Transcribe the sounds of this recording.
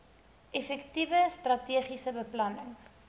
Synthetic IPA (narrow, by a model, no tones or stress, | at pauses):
ʔefɛktivəstrɐtiəχisəbəplɐnəŋ